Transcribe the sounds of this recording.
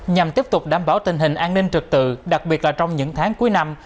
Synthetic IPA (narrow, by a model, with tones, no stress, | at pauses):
ɲa˨˩mt̪i˦˥əp̚t̪ʊ˨˩k͡p̚ɗaː˧˩mɓaː˧˩wt̪ï˨˩ŋ̟ɦï˨˩ŋ̟ʔaː˧nːi˧ŋt͡ɕɨ˨˩k̚t̪ɨ̰˧˨ɗa˨˩k̚ɓi˨˩ət̚laː˨˩t͡ɕɔ˧wŋ͡mɲɨ̰˧˥ŋt̪ʰaː˨˦ŋku˨˦əjna˧m